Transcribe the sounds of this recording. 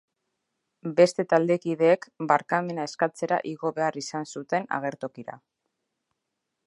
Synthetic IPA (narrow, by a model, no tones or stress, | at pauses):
be̞st̪e̞t̪ald̪e̞kiðe̞ːkbaɾkame̞nae̞skat͡se̞ɾa̰ʔiɣo̞βe̞arisansut̪e̞na̰ɣ̞e̞ɾt̪o̞kiɾa̰